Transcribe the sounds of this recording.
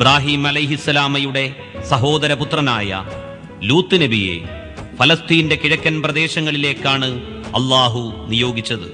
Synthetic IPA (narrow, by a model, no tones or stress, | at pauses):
ibɾaːɦiːmɐlɐjɦisːɐlaːmɐjuɽe̞ | sɐɦo̞ːd̪ɐɾɐput̪rɐnaːjɐ̰ | luːt̪ːɨnebije̞̰ | fɐlɐst̪iːnde̞kiɻɐkːɐnprɐd̪e̞ːɕɐŋːɐɭile̞ːkːaːɳɨ | ɐ̰lːaːɦunijo̞ːɡit͡ɕːɐðɨ̰